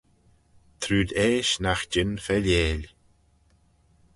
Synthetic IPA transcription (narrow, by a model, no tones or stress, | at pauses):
t̪ʰɾuːd̪eːʃnaxd͡ʒɪnfɛleːlʲ